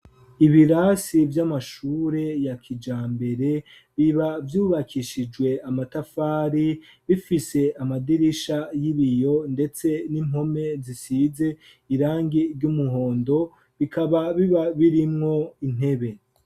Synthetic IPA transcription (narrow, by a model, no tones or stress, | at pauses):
iβiɾasivjamaʃuːɾe̞jakʰid͡ʒaːmbe̞ɾe̞ | βiβavjuːβakʰiʃid͡ʒɡwe̞amatafaːɾi | βifise̞amadiɾiʃajiβijo̞nde̞t͡se̞nim̥ho̞me̞zisize̞ | iɾaːŋɡiɾɟumuɦo̞ːndo̞ | βikaβaβiβaβiɾimŋo̞in̥e̞βe̞